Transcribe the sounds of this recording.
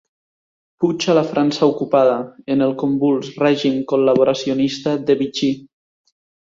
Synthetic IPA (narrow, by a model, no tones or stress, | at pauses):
put͡ʃalafɾansaukupað̞aenəlˠkombulˠzrɛʒimkolaβ̞oɾasionist̪aðeβit͡ʃi